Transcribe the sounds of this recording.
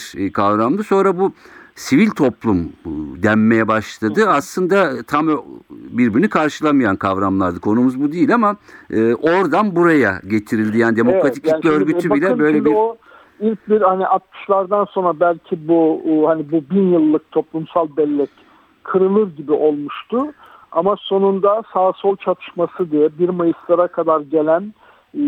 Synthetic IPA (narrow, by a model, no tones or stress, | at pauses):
ɾkʰavɾamd̪ˠɯso̞nɾabusivilʲt̪ʰo̞plˠumd̪æmːe̞jɛbaʃlˠad̪ɯaslˠɯnd̪at̪ʰambiɾbiɾinikʰaɾʃɯlˠamɯjankʰavɾamlˠaɾd̪ɯkʰo̞numuzbud̪iːlʲamaɯːʔo̞ɾd̪anbuɾajaɟe̞t̪ʰiɾilʲd̪ijaːnid̪emoɾat̪i̥clʲclʲiøɾɡyt̪ybilʲɛbø̞jlʲebiɾo | ilʲc̚biɾhaniʔat̪̚mʰɯ̥ʃlˠaɾd̪anso̞nɾabælʲcʰibuhanibubinjɯlˠːɯk̚t̪ʰo̞plˠumsalˠbɛlʲːɛc | kʰɯɾɯlˠɯɾɟibiʔo̞lˠmuʃt̪ʰʊ | amaso̞nund̪asaːsolˠt͡ʃʰat̪ʰɯ̥ʃmasɯd̪ijɛbiɾmajɯslˠaɾakʰad̪aɾɟe̞lʲæn